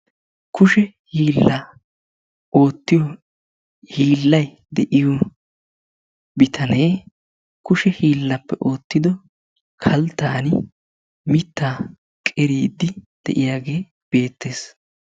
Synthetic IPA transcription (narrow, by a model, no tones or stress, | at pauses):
kʊʃɛ | hiːlːa | o̞ːt̪ːɪjɔ | hiːlːɐj | d̪ɛʔɪjɔ | bɪt̪ʰɐneː | kʊʃɛhiːlːɐpːɛʔo̞ːt̪ːɪd̪ɔ | kʰɐlt̪ːaːnɪ | mɪt̪ːaː | kʼɛɾiːd̪ːɪd̪̥ɛ̰ʔɪjaːɡe̞ː | b̥e̞ːt̪ːe̞ːs